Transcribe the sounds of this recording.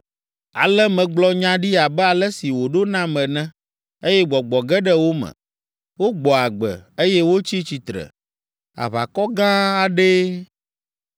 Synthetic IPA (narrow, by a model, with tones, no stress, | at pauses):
a̰˨lɛ˦mɛ̃˨ɡ͡blɔ˦ɲã˦ɖi˦a˨bɛ˦a˨lɛ˦si˨wo˨ɖo˦nã˦mɛ̃˨nɛ̃˦ | e˦jɛ˦ɡ͡bɔ˨ɡ͡bɔ˨ɡɛ˦ɖɛ˦wo˦mɛ̰̃˨ | wo˦ɡ͡bɔ˨a˨ɡ͡bɛ̰˨e˦jɛ˦wo˦t͡ɕi˦t͡ɕi˨t̪ɾɛ̰˨ | a̰˨βa̰˨kɔ˦ɡã˦a˨ɖe˦